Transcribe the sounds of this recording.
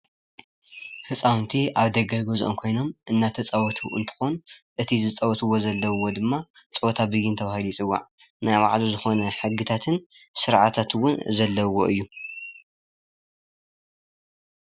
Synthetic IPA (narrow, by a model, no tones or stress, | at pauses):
hɨt͡sʼawnt̪ʰiʔaβd̪ɐɡɐɡozʔo̰mkʰo̞jno̞mʔɨnːat̪ʰɐt͡sʼɐwɔt̪ʰuʔɨ̰nt̪ʰɨ̥xonʔɨt̪ʰizɨt͡sʼɐwɔt̪ʰɨwːozɐlːɐwwo̞d̪ɨmːa | t͡sʼot̪ʰabɨjɪnt̪ʰɐβahilujit͡sʼɨwːa̰ʕ | najβa̰ʕluzɨxo̞nɐħɨɡɨt̪ʰat̪ʰɨn | sɨɾʕat̪ʰat̪wʊnzɐlːɐwo̞ʔɨjːu